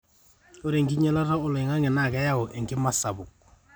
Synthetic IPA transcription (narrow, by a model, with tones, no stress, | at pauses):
o˦ɾe˨ŋki˦ɲɛ˦la˦ta˦ʊ˦lɪ˨ŋa˦ŋɪ˨na˨kɛ˦ja˦ɔ˨ʔe˨ŋkɪ˦ma˦sa˨bʊ˨k̚